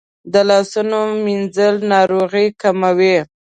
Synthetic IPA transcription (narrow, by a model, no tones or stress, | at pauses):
d̪əlɑsunominzəlnɑɾoɣikamawe